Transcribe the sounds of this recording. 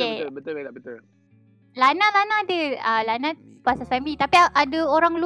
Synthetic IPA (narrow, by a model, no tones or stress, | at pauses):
ebət̪ʊabət̪ʊl | lanãlanãdəalanã | pasasamit̪apiaʔadəoɾaŋlu